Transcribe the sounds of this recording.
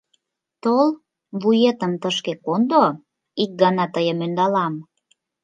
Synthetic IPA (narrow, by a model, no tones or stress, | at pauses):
t̪ol | βujet̪əmt̪əʃkekond̪o | ik̚ɡɑnɑt̪əjəmønd̪ɑlɑm